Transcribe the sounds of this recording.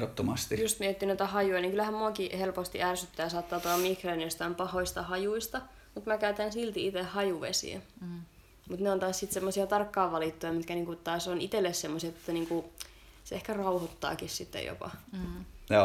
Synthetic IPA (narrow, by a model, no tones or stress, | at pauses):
ot̪ːomɑst̪ijust̪miet̪ːinoit̪æhɑjujɑniŋkylæhæmmuɑkihelpost̪iʔærsyt̪ːæːjɑsɑːt̪ːɑːt̪oɑmikreniost̪ɑimpɑhoist̪ɑhɑjuist̪ɑ | mut̪mækæyt̪ænsilt̪iit̪ehhɑjuʋḛsḭḛ | mut̪neont̪ɑːssit̪semːosiɑt̪ɑrkːɑːʋʋɑlit̪ːojɑmit̪kæniːŋkut̪ɑːsonit̪elːessemːosiɑt̪et̪ːæniːŋku | seehkærɑuhot̪ːɑ̰ːkissit̪ːḛjo̰pɑ̰ | jo